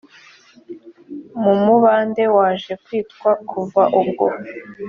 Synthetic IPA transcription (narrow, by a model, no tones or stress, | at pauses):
mumuβaːnde̞waːʒe̞kwiːtkwakʰuvaʔubɡo̰